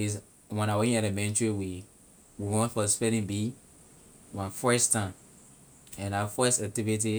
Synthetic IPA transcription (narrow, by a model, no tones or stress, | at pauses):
iz | wɛ̃nawɛkĩnɛɾemɛ̃ntɹiwi | wiwɔ̃nfɔspɛ̃ndĩnbi | wãnfɜstʰãɪ̃m | ɛ̃nafɜstak̚tivit̬i